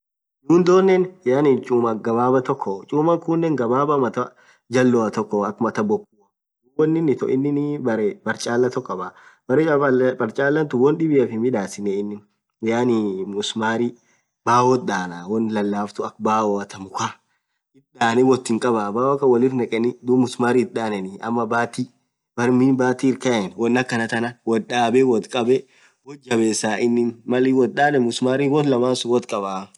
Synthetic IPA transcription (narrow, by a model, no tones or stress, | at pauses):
nuːnd̪oːnːɛnjaːnɪt͡ʃʼuːmɐɡɐbaːbɐt̪ɔkːɔt͡ʃʼuːmɐŋkʊnːɛŋɡɐbaːbɐmɐt̪ɐ | d͡ʒɐlːɔɐt̪ɔkːɔɐkːmɐt̪ɐbɔkːuːɐ | wɔnːɪnːɪt̪ɔ̰ʔɪnːɪnbɐɾɛbɐɾt͡ʃʼaːlːɐt̪ɔkːɐbabɐɾɛbɐɾt͡ʃʼaːlːɐnt̪ʊwɔnᶑɪbɪɛfɪmɪᶑaːsɪnɛɪnːɪn | jaːnimʊsmaːɾi | baːwɔt̪̚ᶑaːnawɔnlɐlːaːft̪ʊɐkbaːwɔɐt̪ɐmʊka | ɪt̪ᶑaːnɪwɔt̪ːɪŋkʼɐbabaːwkːɐwɐlɪrnɐkʼɛnɪd̪ʊmʊsmaːɾiɪt̪̚ɗaːnɛnɪɐmːɐbaːt̪iː | bɐɾmiːnbaːt̪iːɪɾkɐʔɛnwɔnːɐkːɐnɐt̪ɐnɐwɔᶑaːbɛwɔt̪kʼɐbɛ | wɔd͡ʒɐbeːsaːʔɪnːɪnmɐlɪwɔt̪̚ɗaːnɛmʊsmaːɾiwɔlɐmaːnsʊwɔt̪kʼɐbaː